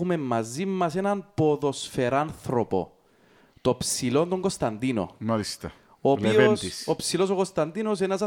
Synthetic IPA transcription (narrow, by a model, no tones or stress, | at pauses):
ume̞mːɐzimːɐsenɐnpo̞ðo̞sfe̞ɾanθɾopo̞̰ | t̪opsilond̪oŋɡost̪ɐnd̪ino̰mɐlist̪ɐ | opioensisopsilo̞s̬okost̪ɐnd̪ino̞s̬enɐs̬ɐ